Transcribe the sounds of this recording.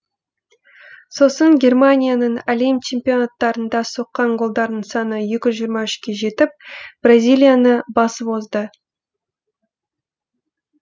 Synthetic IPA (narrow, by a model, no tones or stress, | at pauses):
so̞səŋɡʲe̞rmanʲijanəɴalemt͡ʃʰe̞mpʲijo̞nat̪ːɑɾənd̪ɑso̞qːɑɴɡo̞lˠd̪ɑɾd̪əɴsɑnəjekʲʏzʒijɾmɑʏʃkʲe̞ʒe̞t̪ɪp̚b̥razʲijlʲijanəbɑsəpo̞zd̪ə